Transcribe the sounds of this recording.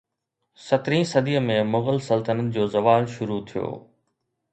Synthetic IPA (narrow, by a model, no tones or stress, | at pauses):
sɐt̪ɾĩsɐd̪ijəmẽmʊɣəlsɐlt̪ənət̪̚d͡ʑoːzɐʋaːlʃʊɾut̪ʰijo̰ː